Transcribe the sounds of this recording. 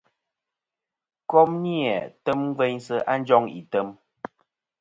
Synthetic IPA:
kɔ˦mni˦ɛ˨tə˦mŋ˦ve˦ɲsə˦ʔa˦n̩˦d͡ʒɔ˦ŋḭ˨tə˦m

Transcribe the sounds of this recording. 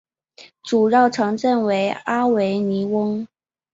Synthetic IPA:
ʈ͡ʂu˨˩ɻɑ˥˩ʊʈ͡ʂʰɤ˧˥ŋʈ͡ʂə˥˩nwe˧˥ɪa˥we˧˥ɪni˧˥wɤ˥ŋ

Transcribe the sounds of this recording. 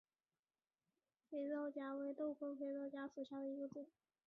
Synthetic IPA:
fe˧˥ɪɻo˥˩ʊt͡ɕja˥we˧˥ɪt̪o˥˩ʊfo˥ŋfe˧˥ɪɻo˥˩ʊt͡ɕja˥ʂu˨˩ɕja˥˩d̪ə˩i˧˥ɡə˧t͡su˨˩˦

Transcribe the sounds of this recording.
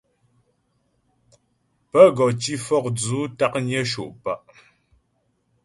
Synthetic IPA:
pə˦ɡɔ˨t͡ʃi˦fɔ˦˨k̚d͡zuː˨˦ta˦˨k̚ɲɛ˦ʃo̰˨ʔpa˦ʔ

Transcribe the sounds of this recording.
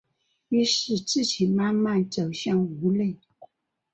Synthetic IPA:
y˥ʂɻ̩˥˧t͡sɹ̩˥˩t͡ɕʰi˧˥˦nma˥nma˥˨nt͡so˨˩ʊɕjɑ˥˩ŋu˧˥le˥˩˨ɪ

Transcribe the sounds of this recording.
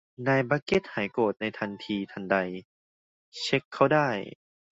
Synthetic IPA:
naː˧jbaː˧˥ke˧˦˥t̪̚haː˩˦jkoː˨˩t̪̚na˧jt̪ʰa˧nt̪ʰiː˧t̪ʰa˧nda˧j | t͡ɕʰe˦˥kʰːa˦˥˩wdaː˥˩j

